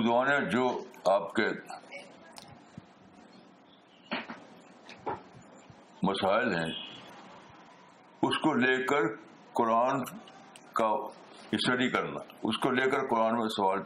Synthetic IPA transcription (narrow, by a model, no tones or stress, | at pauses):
ʊzʋaːnjãd͡ʒoːaːp̚ke | mɐsaːɪlɦɛ̰̃ | ʊskoleːkəɾ | kʊɾaːn | ka | ɪʃəɾikɐɾna̰ʊskoleːkəɾkʊɾaːnmẽsɐʋaːl